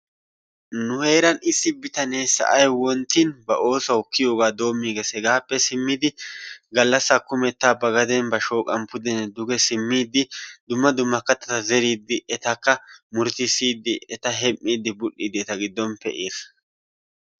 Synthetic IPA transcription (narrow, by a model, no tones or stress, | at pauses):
nʊhe̞ːɾɐnɪsːɪbɪt̪ɐneːsɐ̰ʔɐjwɔnt̪ːinbɐʔo̞ːsɐwʊkːɪjo̞ːɡaːd̪o̞ːmːiːɡɛsɛɡaːpːɛsɪmːɪd̪ɪɡɐlːɐsːɐkːʊmɛt̪ːaːbɐɡɐd̪ɛnbɐʃo̞ːkʼɐmpʊd̪ɛnɛd̪ʊɡɛsɪmːiːd̪ːɪd̪ʊmːɐd̪ʊmːɐkɐt̪ːɐt̪ɐzɛɾiːd̪ːɪɛt̪ɐkːɐmʊɾt̪ɪsiːd̪ːɪɛt̪ɐɦɛmːiːd̪ːɪbʊʔiːd̪ɪɛt̪ɐɡɪd̪ːɔmpːɛ̰ʔeːsɐ